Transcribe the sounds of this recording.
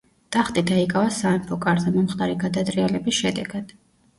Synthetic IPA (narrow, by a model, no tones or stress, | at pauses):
t̪ʼaχt̪ʼid̪aikʼavasaɛmpʰɔkʼaɾzʰamɔmχt̪ʼaɾiɡad̪ad̪ʼɾialɛbisʃɛd̪ɛɡad̪̥